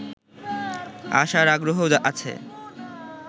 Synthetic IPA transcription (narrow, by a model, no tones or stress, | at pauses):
a̰ʃaɾaɡɾoɦod͡ʑaʔat͡ɕʰḛ